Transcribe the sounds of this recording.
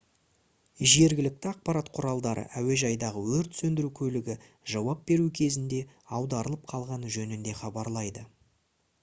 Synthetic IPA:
ʒe̞ɾɡʲɪlɪk̚t̪ɪɑq̚pɑɾɑt̪qʰʊɾɑlˠd̪ɑɾʔə̰ʔæwe̞ʒɑjd̪ɑʁəwɵɾt̪sɵnd̪ɪɾukʲʰɵlɪɡʲɪ | ʒɑwɑp̚be̞ɾukʲʰe̞zɪnd̪e̞ | ɑwd̪ɑɾəlˠəp̚qʰɑlˠʁɑnʒɵnɪnd̪e̞χɑbɑɾlˠɑjd̪ə

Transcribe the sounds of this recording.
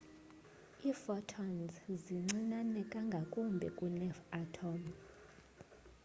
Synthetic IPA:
ifɔtʰɔnzziŋ͡ǀinanɛkʼaŋɡʱakʼumbʱɛ̰kʼunɛfatʰɔm

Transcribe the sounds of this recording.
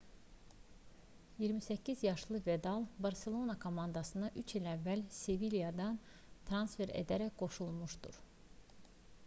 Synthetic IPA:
jiɾmisæcʰːizjɑʃlˠɯved̪ɑlˠbɑɾse̞lˠo̞nɑkʰo̞mɑnd̪ɑsɯnd̪ɑʔyt͡ʃilævːælsevilijɑd̪ɑn | t̪ʰɾɑnsfe̞ɾḛd̪æɾæcɡ̥o̞ʃulˠmuʃd̪ṵɾ

